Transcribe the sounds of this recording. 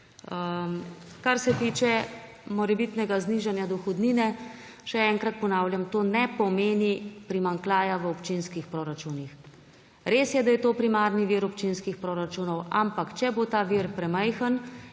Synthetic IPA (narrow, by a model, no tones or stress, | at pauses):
kaɾsɛt̪iːt͡ʃɛ | mɔɾɛbit̪nɛɡazniːʒanjad̪ɔxɔd̪niːnɛ | ʃɛɛŋkɾat̪̚pɔnaːwljamt̪oːnɛpɔmeːnipɾimaŋklaːjaʋəopt͡ʃinskixpɾoɾat͡ʃunix | ɾeːsjɛd̪ajɛt̪oːpɾimaɾniʋiɾɔpt͡ʃinskixpɾoːɾat͡ʃuːnɔwa̰mpakt͡ʃɛbot̪aːʋiɾpɾɛmɛjxən